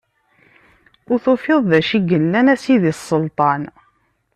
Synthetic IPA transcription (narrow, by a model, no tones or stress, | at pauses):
ʊɾθufɪðˤðæʃiɡəlːænæsiðisˤːəlt̪ˤɑn